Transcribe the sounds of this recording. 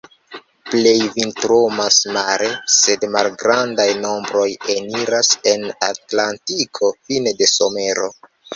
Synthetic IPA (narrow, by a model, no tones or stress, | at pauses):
ple̞jvintɾomasmaɾe̞se̞dmalɡɾandajno̞mbɾo̞jeniɾase̞natlantikʰo̞finede̞so̞me̞ɾo̞